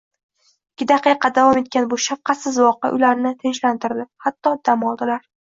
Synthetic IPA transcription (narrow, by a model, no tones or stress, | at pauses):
ɪkʲʰːɪd̪ɑqɨqʰɑd̪avɒme̞t̪̚kʲanbʊʃaf̚qʰɑt̪sɪzvɒqɪ̰ʔʊ̰jlaɾnɪt̪ʰɪnʃlant̪ʰɪɾd̪ɪhat̪ːɒd̪̥amɒlˠd̪ɪlaɾ